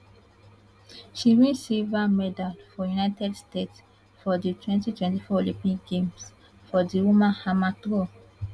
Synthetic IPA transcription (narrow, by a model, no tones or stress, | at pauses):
ʃiwĩsevamɛdalfɔjunajtɛdstets | fɔditwɛ̃ntitwɛ̃ntifɔlipĩŋɡẽms | fɔdiwumãnhamatɾo